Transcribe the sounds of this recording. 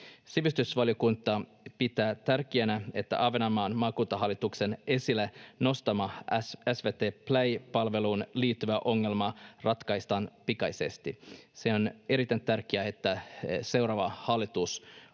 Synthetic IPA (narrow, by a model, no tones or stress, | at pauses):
siʋist̪ysʋɑljo̞kunt̪ːˑɑ | pit̪æːt̪ærkiænæe̞t̪ːæ̰ʔɑːʋenɑmɑːnmɑːkuːt̪ːɑɦɑlːit̪ukse̞ne̞silːeno̞st̪ɑmɑæsʋeːt̪eːplæjpɑlʋe̞luːnliːt̪ːyʋæʔo̞ŋːe̞lmɑrɑt̪kɑjst̪ɑːnpikɑjse̞̰st̪iseone̞ɾit̪ænt̪ærk̟iæe̞t̪ːæse̞wɾɑːʋɑhɑlːit̪us